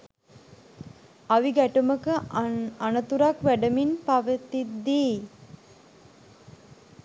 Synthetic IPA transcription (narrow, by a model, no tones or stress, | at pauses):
aʋiɡæʈuməkəanət̪uɾakʋæɖəminpaʋət̪id̪iː